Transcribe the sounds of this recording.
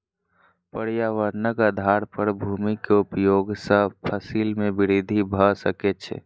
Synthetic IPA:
pəɽjaʋəɾnəkəd̪ʱaɾpəɾbʱumikeupjoɡsə̃pʰəsilmebiɾid̪ʱibʱəsəkɛt͡ʃʰɛ̰

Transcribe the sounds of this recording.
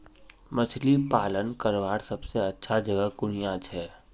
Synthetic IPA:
mɐt͡ʃʰlipaːlənkəɾʋaːɾsɐbseɐtːʃʰad͡ʒɐɡəɦɡʊnijat͡ʃʰɦɛː

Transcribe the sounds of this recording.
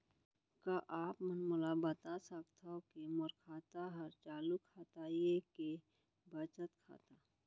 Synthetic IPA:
kaʔaːpmənmʊlabət̪asakt̪ʰaokemʊɾkʰaːt̪aɦɐɾt͡ʃaːlukʰːaːt̪ajeke | bət͡ʃət̪kʰa̰ːt̪a

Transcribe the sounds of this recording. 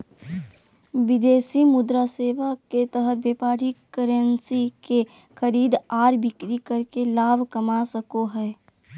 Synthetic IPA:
ʋɪd̪eːsimʊd̪ɾaseːʋaket̪əɦət̪̚beːpaːɾikːəɾənsike | xəɾiːd̪aːɾbɪkɾikɐɾkelaːbʱkɐmasəkoɦɛː

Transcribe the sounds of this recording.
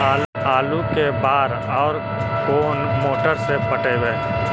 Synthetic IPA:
aːlukebaːɾ | ɔːɾ | koːnmoːʈəɾsepəʈeweː

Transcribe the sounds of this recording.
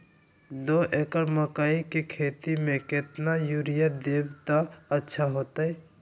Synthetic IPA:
d̪oːʔekəɾməkaːikekʰeːt̪imẽkɪt̪najuɾɪjad̪eːbt̪aətːʃʰaɦoːt̪aɦɛː

